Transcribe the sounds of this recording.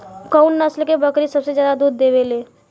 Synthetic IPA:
kəunnəslkebəkɾisəbsed͡ʒjaːd̪ad̪uːd̪ːeʋeleː

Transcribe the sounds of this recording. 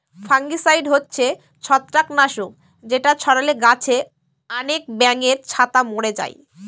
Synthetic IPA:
fʰaŋɡisajɖɦotːɕʰe | t͡ɕʰɔt̪ːɾaknaʃo | d͡ʑeʈat͡ɕʰɔɾaleɡat͡ɕʰe | anek̚bɛŋeɾt͡ɕʰat̪amoɽed͡ʑa̰j

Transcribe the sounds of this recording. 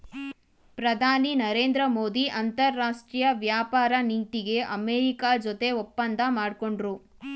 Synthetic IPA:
pɾɐd̪ʱaːninɐɾeːnd̪ɾɐmoːd̪iʔɐnt̪ɐɾːaːʂʈɾiːjɐʋjaːpaːɾɐnint̪iɡe̞ʔɐmeːɾikaːd͡ʒot̪e̞ɔpːɐnd̪ʱɐmaːɽko̞ɳɖɾu

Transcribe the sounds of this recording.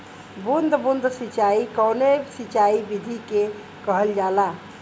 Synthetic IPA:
bund̪ʱbund̪ʱsit͡ʃaikəwnesit͡ʃaibid̪ʱike | kəɦəld͡ʒala

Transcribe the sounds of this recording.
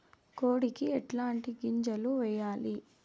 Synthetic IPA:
koːɽikiɛʈlaːɳʈiɡiɲd͡ʒɐluʋɛjːaːli

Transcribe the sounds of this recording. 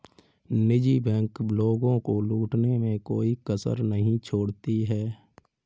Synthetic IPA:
nɪd͡ʒibɛ̃ːŋkbloːɡõkoluːʈnemẽkoːikəsə̰ɾnəɦĩt͡ʃʰoːɽt̪iɦɛː

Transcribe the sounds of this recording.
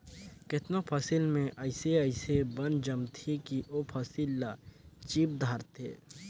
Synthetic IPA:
kɪt̪nopʰɐsɪlmẽʔɐɪseəɪsebɐnd͡ʒɐmt̪ʰikiʔopʰəsilːat͡ʃiːp̚d̪ʱaːɾt̪ḛː

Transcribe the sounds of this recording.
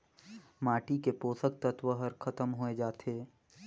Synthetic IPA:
maːʈikepoːsək̚t̪ət̪ʋəɦəɾkʰət̪əmɦoed͡ʒaːt̪ʰeː

